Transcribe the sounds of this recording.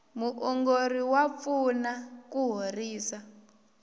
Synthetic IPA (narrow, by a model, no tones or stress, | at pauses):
muʔɔŋɡoriwap̪funakuɦoriːsa